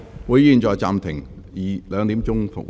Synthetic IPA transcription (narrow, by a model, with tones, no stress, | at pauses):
wuː˨˧˥jjiː˨˧nt͡sɔː˨˧jt͡saː˨mt̪ʰɪ˨˩ŋ | jiː˨˩lœː˨˧ŋt̪iː˨˥mt͡sʊ˥ŋfʊ̰˨˩kw